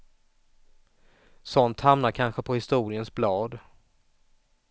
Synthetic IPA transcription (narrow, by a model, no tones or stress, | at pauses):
sɔnt̪hamnaɾkʰanɧəpʰɔhɪst̪uːɾɪənsblɑːd̪